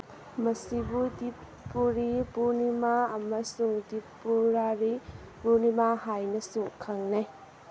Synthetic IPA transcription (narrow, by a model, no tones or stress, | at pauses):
mɐsibudip | pːuɾipunimaɐmɐsuŋdipːuɾaɾi | punimaɦajnɐsukʰaŋnaj